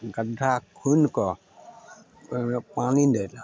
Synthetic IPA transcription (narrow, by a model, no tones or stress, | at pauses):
ɡadʱakʰunkɔ | panindel